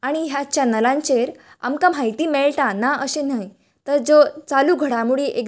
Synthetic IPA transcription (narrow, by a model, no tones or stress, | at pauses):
aɽ̃iɦjat͡ɕanəlãɲt͡ɕeɾ | a̰mkam̤ajt̪iːmeɭʈanaəɕenaj | t̪əɾd͡zot͡saluːɡʱəɽamuɭiːʔek